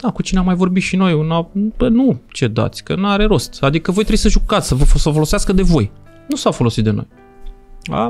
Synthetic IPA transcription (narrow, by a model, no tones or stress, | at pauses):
d̪̥akut͡ʃineamːajvo̞rbit̪ʃino̞junabənut͡ʃe̞d̪a̰t̪sʲkənaɾe̞ɾo̞st̪ad̪ikəvo̞jt̪ɾejsəʒukat̪sʲsəvəosəfo̞lo̞seaskəd̪e̞vo̞j | nusafo̞lo̞sit̪̚d̪e̞no̰j | a̰